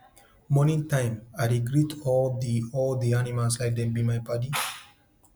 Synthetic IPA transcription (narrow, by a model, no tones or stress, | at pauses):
mɔnĩŋtãɪ̃majɾiɡɾitɔld̪iɔld̪ianimalslajk̚d̪ɛ̃mbĩmajbadi